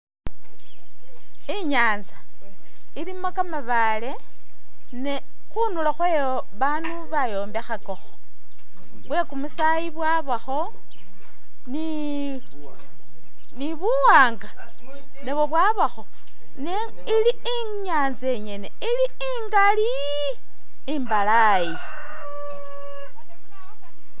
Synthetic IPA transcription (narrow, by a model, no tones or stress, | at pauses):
iɲaːnza | ilimokamaβa | le̞ | ne | xunulaxwejo | βanuβajo̞ːmbexako̞xo̥ | βwe̞kumusajiβwaβaxo̞ | ni | niβuwaːŋɡa | neβwoβwaβaxo̞ | ne | ili | i | ɲaːnze̞ɲe̞neili | iŋɡali | mbala | ji